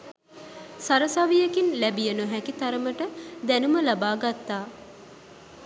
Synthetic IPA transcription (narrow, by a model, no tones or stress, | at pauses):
saɾəsaʋijəkinlæbijənuɦækit̪aɾəməʈəd̪ænuməlabaːɡat̪ːaː